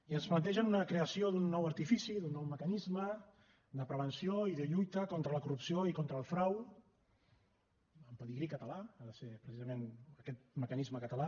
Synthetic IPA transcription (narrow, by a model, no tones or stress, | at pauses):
iənzmənt̪̬ɛʒənunəkɾeəsioðunːɔwəɾt̪ifisiðunːɔwməkənizmə | d̪əpɾəβənsioiðəʎujt̪əkɔnt̪ɾələkurupsioikont̪ɾəːlˠfɾaw | əmpəðiɣɾikət̪əlaaðəsepɾəsizəmenəkɛt̪̚məkənizməkət̪əla